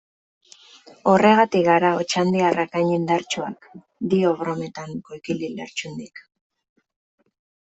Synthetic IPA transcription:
o̞re̞ɣat̪iɣaɾao̞t͡ʃand̪iarʔakaɲind̪aɾt͡ʃoa̰k | d̪io̞ɣɾo̞me̞t̪aŋko̞jkililḛɾt͡ʃund̪ik

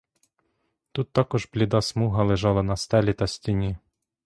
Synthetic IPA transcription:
t̪ut̪ːɑkɔʒblʲid̪ɑsmuɦɐlˠeʒɑlˠɐnɐst̪ɛlʲit̪ɐsʲtʲinʲi

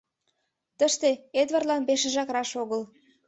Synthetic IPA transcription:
t̪əʃt̪eed̪βərlɑnpeʃĕʒɑkɾɑʃoɣəl

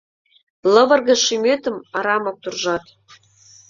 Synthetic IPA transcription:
lɤ̆βɤ̆rɣɤ̆ʃymet̪ə̆mɑɾɑmɑk̚t̪urʒɑt̪

